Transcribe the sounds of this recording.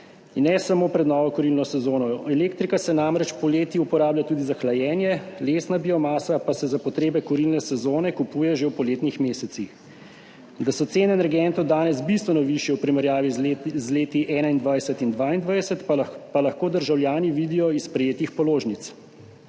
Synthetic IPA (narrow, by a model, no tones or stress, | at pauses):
nːɛsamoːpɾɛd̪nɔːʋɔkɔɾilnɔsɛzoːnɔɛleːkt̪ɾikasɛnamɾɛt͡ʃpɔleːt̪iupɔɾaːbljat̪uːd̪izaxlajɛːnjɛleːsnabiɔmaːsapasɛzapɔt̪ɾeːbɛkɔɾilnɛsɛzoːnɛkupuːjɛʒewpɔleːt̪nixmeːsɛt̪six | d̪asɔt̪seːnɛnɛɾɡɛnt̪ɔwd̪aːnɛzbist̪ʋɛnɔʋiʃjɛwpɾimɛɾjaːʋizleːt̪iʔɛnaind̪ʋajsɛt̪ind̪ʋaːind̪ʋajdsɛt̪palaxkoːd̪əɾʒawljaːniʋiːd̪ijɔispɾɛjeːt̪ixpɔloːʒnit̪s